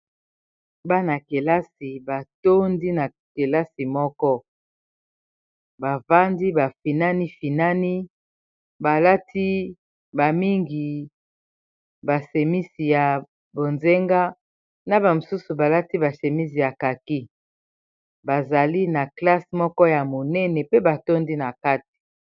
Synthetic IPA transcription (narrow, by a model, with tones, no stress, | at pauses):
ba˦na˨ke˨la˦si˨ba˨to˦ndi˦na˨ | ke˨la˦si˨mɔ˦kɔ˦ | ba˨va˦ndi˦ba˨fi˨na˦ni˦fi˨na˦ni˦ | ba˨la˦tʰi˦ | ba˨mi˦ŋɡi˨ | ba˨se˨mi˦si˨ja˨ | bo˨nze˦ŋɡa˦ | na˦ba˨mo˨su˦su˨ba˨la˦ti˦ba˨se˨mi˦si˨ja˨ka˨ki˦ | ba˨za˨li˦na˨kla˦si˨mɔ˦kɔ˦ja˨mo˨nɛ˦nɛ˨pe˦ba˨to˦ndi˦na˨ka˦ti̥˨